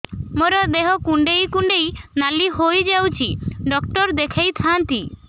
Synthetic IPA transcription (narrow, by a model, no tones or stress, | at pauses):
moɾɔd̪eɦɔkuɳɖejkuɳɖejnaliɦojd͡ʒawt͡ʃʰiɖɔkʈɔɾd̪ekʰejt̪ʰant̪i